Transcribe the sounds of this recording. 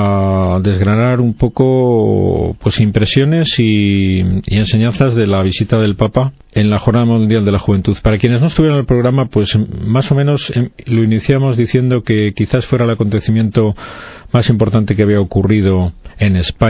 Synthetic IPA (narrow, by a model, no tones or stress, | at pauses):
ðe̞zɣɾanaɾumpo̞ko̞ | pwe̞simpɾe̞sjo̞ne̞si | ḭe̞nse̞ɲãnθazðe̞laβ̞isit̪aðe̞lpapa | e̞nlaxoɾnaðamũnd̪jald̪e̞laxuβe̞nt̪uðpaɾakje̞neznost̪uβjeɾanelpɾoɣɾamapwe̞smaso̞mẽno̞slo̞iniθjamo̞zðiθje̞nd̪o̞ke̞kiθasfwe̞ɾaelako̞nt̪e̞θimjẽ̞nt̪o̞masimpo̞ɾt̪ant̪e̞keaβiaokurið̞o̞e̞ne̞spa